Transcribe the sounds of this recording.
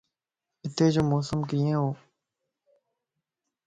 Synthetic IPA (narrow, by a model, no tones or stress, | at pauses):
ɪt̪ʰeːd͡ʑoːmoːsəmkiːẽːɦoː